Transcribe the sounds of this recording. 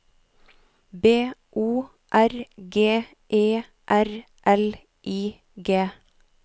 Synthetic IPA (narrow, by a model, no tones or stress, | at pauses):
beːʔuː | ʔæɾɡeː | ʔeː | ʔæɾ | ʔɛl | ʔiː | ɡeː